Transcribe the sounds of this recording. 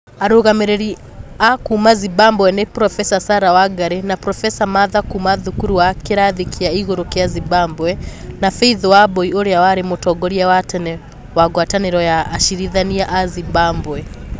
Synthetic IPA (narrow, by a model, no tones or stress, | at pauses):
aɾuɣamɛɾɛɾi | akumazibambwɛnɛpɾɔfɛsasaɾawaɡaɾɛnapɾɔfɛsamaðakumaðukuɾuwakɛɾaðikʰiaiɣɔɾɔkɛazibambwɛnafɛiðɔwabɔiɔɾɛawaɾɛmɔtɔɡɔɾiawatɛnɛ | waɡwatanɛɾɔjaːʃiɾiðaniaʔazibambwɛ